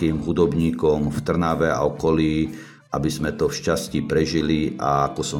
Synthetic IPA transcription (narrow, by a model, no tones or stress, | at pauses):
iːmɦud̪ɔbɲiːkɔmft̪r̩naʋɛa̰ɔkɔliː | ʔabizmɛt̪ɔfʃcascipɾɛʒilia̰akɔsɔ